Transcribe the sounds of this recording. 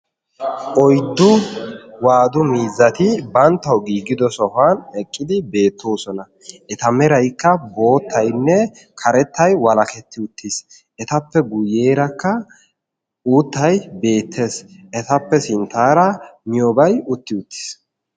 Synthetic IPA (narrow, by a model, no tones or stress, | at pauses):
ʔɔjd̪ːʊwaːd̪ʊmiːzːɐt̪ɪbɐnt̪ːɐwɡiːɡːɪd̪ɔsɔhaːnɛkʼːɪd̪ɪbe̞ːt̪ːoːsɔnɐ | ʔɛt̪ɐmɛɾɐjkːɐbo̞ːt̪ːɐjnːɛ | kʰɐɾɛt̪ːɐjwɐlɐkɛt̪ːɪʊt̪ːɪs | ʔɛt̪ɐpːɛɡʊje̞ːɾɐkːɐ | uːt̪ːɐjbe̞ːt̪ʰːe̞ːsʔɛt̪ɐpːɛsɪnt̪ːaːɾɐmɪjoːbɐjʊt̪ːɪʊt̪ːɪ̥s